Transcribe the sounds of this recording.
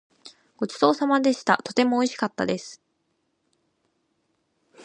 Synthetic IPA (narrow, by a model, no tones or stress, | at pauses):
ɡ̥o̞t͡ɕi̥t̪o̞ːsamad̪e̞ɕi̥t̪a̰t̪o̞t̪e̞mo̞ːiɕi̥kat̪ːa̰d̪e̞sɨ̥